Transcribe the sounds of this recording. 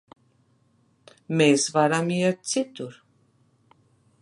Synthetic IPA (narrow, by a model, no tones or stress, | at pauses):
mɛszvaɾamijat͡sʰit̪uɾ